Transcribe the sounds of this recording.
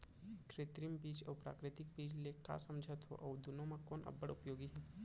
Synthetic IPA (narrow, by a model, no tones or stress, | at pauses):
kɾeːt̪ɾimbiːd͡ʒɔːpɾa̰ːkɾɪt̪ɪk̚biːd͡ʒleka̰sɐmd͡ʒʱət̪ɦo̰ʔɔːd̪ʊnõmãkoːnʔɐ̰bəɽʊpjoːɡiɦɛː